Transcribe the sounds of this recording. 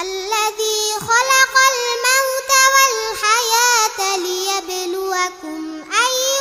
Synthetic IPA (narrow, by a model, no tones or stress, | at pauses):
ʔalːaðiːxalɑqalmawt̪awalħajaːt̪lɪjablʊwakʊm | ʔaj